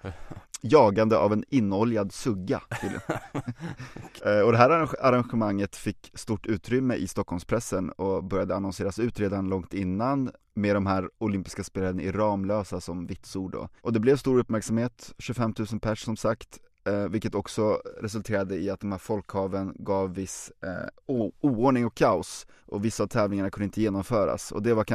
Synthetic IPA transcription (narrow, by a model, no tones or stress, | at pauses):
jɑːɡand̪əa̰vɛnɪnːɔljad̪sɵɡːa̰t̪ʰɪl | ɔd̪ɛɦæːɾaaɾanɧəmaŋːət̪fɪkːst̪uʈːʉ̟ːt̪ɾʏmːəʔɪst̪ɔkʰːɔlmspʰɾɛsːənɔbœɾjad̪əanɔnseːɾasʉ̟ːt̪ɾeːd̪anlɔŋt̪ɪnːan | med̪ɔmhæːɾʊlʏmpɪ̥skaspeːlaɾənɪɾɑːmløːsasɔmvɪt̪suːɖɔ̰ʔɔd̪ɛblɛvst̪uːɾɵpːmæɾksamheːt̪ɕʉfɛmt̪ʰʉ̟ːsənpʰæʂsɔmsakt̪ | vɪlkət̪ɔksɔɾɛs̬ɵlt̪ʰeːɾad̪əɪat̪̚d̪ɔmhæːɾfɔlkhɑːvənɡɑːvːɪs | uuːoːɳɪŋɔkʰːaʊsʔɔvɪsːaːvt̪ʰɛːvlɪŋaɳakʰɵnd̪ɪnt̪əjeːnɔmfœːɾa̰sɔ̰d̪ɛva